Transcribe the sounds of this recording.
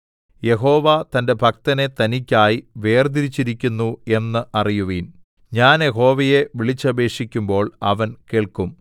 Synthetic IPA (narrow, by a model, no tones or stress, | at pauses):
je̞ɦo̞ːʋat̪ɐnde̞bʱɐkt̪ɐne̞t̪ɐnikʲːaːjiʋe̞ːrd̪iɾit͡ɕːiɾikʲːunːue̞nːɨʔɐrijuʋiːn | ɲaːnje̞ɦo̞ːʋɐje̞ʋiɭit͡ɕːɐbe̞ːʂikʲːumbo̞ːɭɐ̰ʋɐnkeːɭkum